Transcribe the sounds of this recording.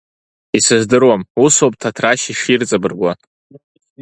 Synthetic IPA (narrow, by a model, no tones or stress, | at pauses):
isɨzdɨrwamusopʼtʰatʰraʃiʂirt͡sʼabɨrɡʷa